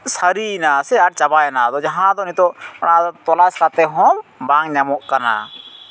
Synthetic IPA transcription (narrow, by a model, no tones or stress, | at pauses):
saɾinasɛaɾ̚t͡ʃabajnad̪ɔd͡ʒaɦãd̪ɔnit̪ɔpaɽ̃at̪ɔlaskat̪ɛɦɔmbaŋɲamɔʔkana̰